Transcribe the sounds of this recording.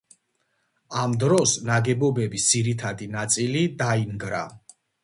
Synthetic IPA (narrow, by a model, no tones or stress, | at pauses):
amd̪ɾɔsnaɡɛbɔbɛbisd̪ziɾit̪ʰad̪inat̪sʼilid̪aimɡɾa̰